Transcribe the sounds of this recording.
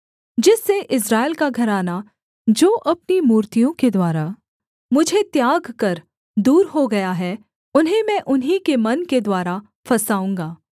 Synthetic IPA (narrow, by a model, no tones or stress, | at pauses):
d͡ʒɪsːeʔɪs̬ɾaːɪlkaɡʱɐɾaːna | d͡ʒoːʔɐpnimuːɾt̪ijõked̪waːɾa | mʊd͡ʒʱet̪jaːɡkɐɾ | d̪uːɾɦoɡɐjaɦɛː | ʊnɦẽmɛ̃ʔʊnɦikemɐnked̪waːɾa | fɐsaːũːŋɡaː